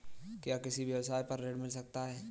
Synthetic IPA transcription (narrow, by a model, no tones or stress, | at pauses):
kjaːkɪsibjɐʋsaːjpɐɾːeːɽmɪlsɐk̚t̪aɦɛː